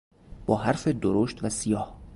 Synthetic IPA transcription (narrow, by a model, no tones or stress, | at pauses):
b̥ɒːɦæɾfed̪oɾoʃt̪væsijɒːh